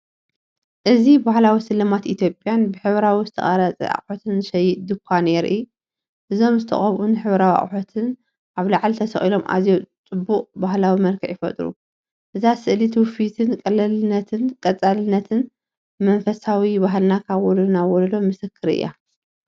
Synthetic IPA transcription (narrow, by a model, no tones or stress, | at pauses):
ʔɨzibahlawisɨlɐmat̪it̪ʰjo̞pʼːjanbɨħɨβɾawizɨt̪ʰɐ̰χʼɐɾat͡sʼḭʔa̰χʼħot̪ʰɨnɨʃɐjɨt̪̚d̪ɨkʷʰːaneɾʔɨj | ʔɨzo̞mzɨt̪ʰɐ̰χʼɐβʔunħɨβɾawia̰χʼħot̪ʰɨn | ʔaβlaʕlt̪ʰɐsɐχʼilo̞mʔa̰zjot͡sʼɨbːuχʼbaɦlawimɐlkʰɐ̰ʕjɪfɐ̰t̪ʼɾṵ | ʔɨzasɨʔlit̪ʰwfit̪ʰɨnkʼɐlɐlɨnɐt̪ʰɨnkʼɐt͡sʼːalɨnːɐt̪ʰɨn | mɐnfɐsawibaɦlnakʰawɔlunawɔllomɨsɨkʰːɨɾɨ̰jːa̰